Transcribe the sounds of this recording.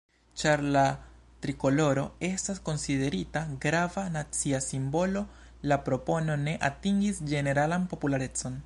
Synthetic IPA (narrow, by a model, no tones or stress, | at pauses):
t͡ʃaɾlatɾiko̞lo̞ɾo̞e̞stasko̞nside̞ɾitaɡɾavanat͡siasimbo̞lo̞ | lapɾo̞po̞no̞ne̞ʔatiŋɡisd͡ʒe̞ne̞ɾalanpo̞pulaɾe̞t͡so̞n